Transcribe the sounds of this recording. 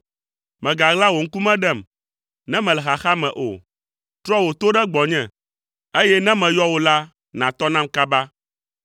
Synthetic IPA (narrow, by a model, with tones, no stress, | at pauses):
mɛ̃˨ɡa˨ɣla˦wo˨ŋ̩˦ku˦mɛ̃˦ɖɛ˦˨m | nɛ̃˦mɛ̃˨lɛ˨xa˨xa˦mɛ̃˨ʔo̰˨ | t̪ɾɔ˦wo˨t̪o˦ɖɛ˦ɡ͡bɔ˨ɲɛ̃˨ | e˦jɛ˦nɛ̃˦mɛ̃˨jɔ˦wo˨la˦ | nã˨t̪ɔ˦nã˦mka˦ba˦